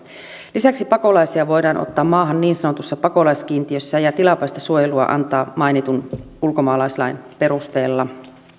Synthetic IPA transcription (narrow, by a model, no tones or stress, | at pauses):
lisæksipɑko̞lɑjsiɑʋo̞jdɑːnʔo̰t̪ːɑːmːɑːɦɑnːiːnsɑno̞t̪usːɑpɑko̞lɑjsk̟iːnt̪iø̞sːæjɑt̪ilɑpɑjst̪ɑsuojeluɑ̰ʔɑ̰nt̪ɑːmɑjnit̪un | ulko̞mɑːlɑjslɑjnpe̞ɾust̪e̞ːlːɑ